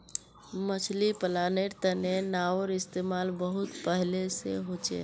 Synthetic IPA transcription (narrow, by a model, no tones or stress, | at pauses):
mət͡ʃʰlipəlaneɾt̪ənenaəɾɪst̪emalbəɦut̪pəɦleseɦot͡ʃḛ